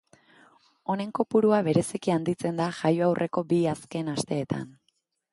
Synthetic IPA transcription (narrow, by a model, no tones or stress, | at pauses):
o̞ne̞ŋko̞puɾuaβe̞ɾe̞sikiand̪it͡se̞nd̪aʝajoawrʔe̞ko̞biaske̞nast̪e̞ːt̪a̰n